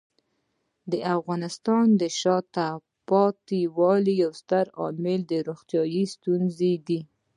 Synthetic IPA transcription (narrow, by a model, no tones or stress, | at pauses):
d̪əʔafɣɑnɪst̪ɑnd̪əʃɑt̪a | pɑt̪iwɑlijawst̪aɾɑ̰mɪld̪əɾoxt̪jɑjist̪unzed̪i